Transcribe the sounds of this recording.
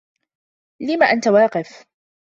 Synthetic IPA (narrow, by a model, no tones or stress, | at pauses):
lɪmaʔant̪awɑːqɪf